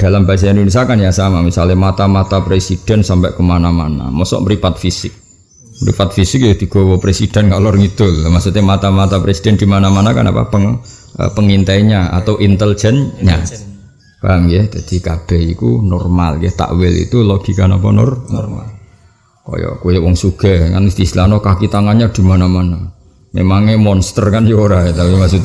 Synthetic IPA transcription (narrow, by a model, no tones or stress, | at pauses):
d̥a̤lambas̬aindunis̬iakanjasamamisalɪmat̪amat̪apɾesid̥ɛ̤nsampɛʔkəmanamana̰mɔsɔ̰ʔməɾipat̪̚fisɪk̚ | məɾḭpat̪̚fisɪk̚jɛd̪̥i̤ɡ̥ɔ̤wɔpɾesid̥ɛ̤nkalɔrŋid̪̥ʊlmaʔksut̪emat̪amat̪apɾesid̥ɛnd̥̪imanamanaka̰na̰pa̰pəŋ | ə̰pəŋint̪aiɲaa̰t̪awʔint̪əld͡ʒ̥ɛnɲa | b̥aŋjɛd͡ʒad̪̥i̤kab̥ɛhḭkunɔrma̰lkɛt̪a̰ʔwɪlḭt̪ulɔɡ̥i̤kanap̬anɔ̰rnɔrma̰l | kɔ̰jɔ̰ʔkujɔwɔŋsuɡ̥aŋa̰nust̪islanɔkakit̪aŋaɲad̪̥i̤manamana | mḛmaŋemɔnst̪ərkanjoɾaet̪apimasut̪